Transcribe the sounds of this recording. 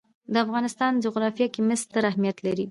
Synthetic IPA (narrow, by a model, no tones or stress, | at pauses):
d̪əafɣɑnɪst̪ɑnd͡ʒʊɣɾɑfjɑkimɪst̪əɾahmijat̪laɾi